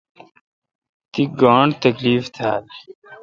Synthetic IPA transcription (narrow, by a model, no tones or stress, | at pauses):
t̪iɡãːɳt̪əkliːft̪ʰa̰ːl